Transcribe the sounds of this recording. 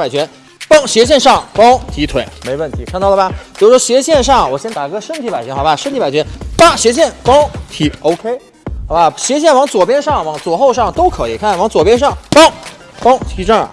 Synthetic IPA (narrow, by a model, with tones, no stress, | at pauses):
pa˨˩ɪt͡ɕʰɥɛ˧˥n | pɑ˥ŋɕjɛ˧˥ɕ̬jɛ˥˧nʂɑ˥˩ŋpɑ˥ŋt̪ʰi˧˥t̪ʰwe˧˩˦ɪme˧˥ɪwə˥˩nt̪ʰi˧˥kʰnɑ˥˩ʊlə˩bɐ˧˩pjʊ˥˩ʂwɔ˥ɕjɛ˧˥ɕjɛ˥˧nʂɑ˥˩ŋ˩wɔ˨˩ɕjɛ˥nt̪a˨˩kɤ˥ʂə˥nt̪ʰi˧˥pa˨˩ɪt͡ɕʰnxɑ˧˦ba˧˩ʂə˥nt̪ʰi˧˥pa˨˩ɪt͡ɕʰɛ˧˥npa˥˩ɕjɛ˧˥ɕ̬jɛ˥˩npɑ˥ŋt̪ʰi˧˥ʔo˧˥ʊkʰe˥ɪ | xɑ˨˩ʊba˧˩ɕjɛ˧˥ɕ̬jɛ˥˩nwɑ˧˥ŋt͡swɔ˨˩pjɛ˥nʂɑ˥˩ŋwɑ˧˥ŋt͡swɔ˨˩xo˥˧ʊʂɑ˥˩ŋt̪o˥ʊkʰɤ˧˥i˨˩kʰa˥˩nwɑ˧˥ŋt͡swɔ˨˩pjɛ˥nʂɑ˥˩ŋpɑ˥ŋ | pɑ˥ŋt̪ʰi˧˥ʈ͡ʂɑ̰˥˩